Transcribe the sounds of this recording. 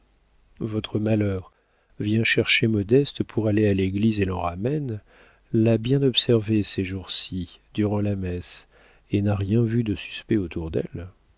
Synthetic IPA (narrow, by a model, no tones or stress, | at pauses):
vɔt̪χəmalœʁ | vjɛ̃ʃɛʁʃemɔd̪ɛst̪əpʰuʁalealeɡlizelɑ̃ʁamɛn | labjɛ̃nɔpsɛʁveseʒuʁsid̪̥yʁɑ̃lamɛs | enaʁjɛ̃vyd̪əsy̥spɛot̪uʁd̪ɛ̰l